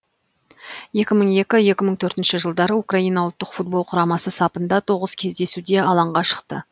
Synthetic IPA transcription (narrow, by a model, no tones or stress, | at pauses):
je̞kʲɪməɴe̞kʲɪje̞kʲɪməɴt̪ʰɵɾt̪ɪnʃɪʒəlˠd̪ɑɾəukrɑijnɑwʊlˠt̪ːəqfut̪̚bo̞lˠqʰʊɾɑmɑsəsɑpənd̪ɑt̪ʰo̞ʁəzkʲʰe̞zd̪e̞sud̪e̞ɑlˠɑɴʁɑʃə̥qt̪ə̰